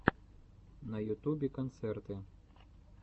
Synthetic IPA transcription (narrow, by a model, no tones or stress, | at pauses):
nɐjut̪ubʲikɐnt̪sɛrt̪ɨ